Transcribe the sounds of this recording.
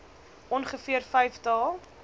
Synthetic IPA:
ʔɔnχəfiərfɛjftɑːlˠ

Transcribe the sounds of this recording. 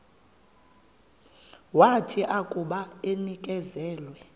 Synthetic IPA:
watʰiʔakʼuɓaenikʼɛzɛːlwɛ

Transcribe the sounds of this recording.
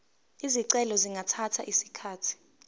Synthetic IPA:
iziǀɛlɔziŋɡʱatʰatʰa̰ʔisi̥kʰaːtʰi̥

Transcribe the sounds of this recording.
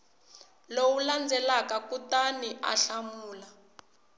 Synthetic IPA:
lowuland͡zʱɛlakakutaniʔa̰ɬamuːla

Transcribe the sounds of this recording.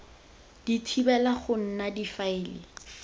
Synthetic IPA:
d̥itʰibɛlaχʊn̩nadifaɪːlɪ̰

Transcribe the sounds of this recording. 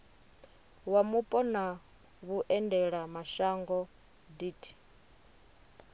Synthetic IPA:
wamupʼɔna | βuʔɛndɛɺamaʃaŋɡɔ | diːtʰi̥

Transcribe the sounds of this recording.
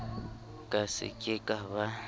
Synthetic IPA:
kʼasɪ̰kʼekʼaβa

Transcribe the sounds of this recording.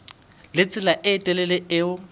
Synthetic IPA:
lɪt͡sʼɪlaʔɪːtʼɛlɛlɪɪʊ

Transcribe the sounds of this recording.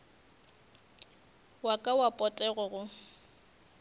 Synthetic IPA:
wakʼawapʼɔtʼɛɣʊɣʊ

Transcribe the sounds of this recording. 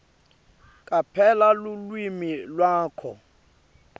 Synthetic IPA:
kʼapʰɛlalulwimilwaːkʰɔ̰

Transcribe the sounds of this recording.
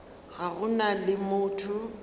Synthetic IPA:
ɣaɣʊnalɪmʊːtʰʊ

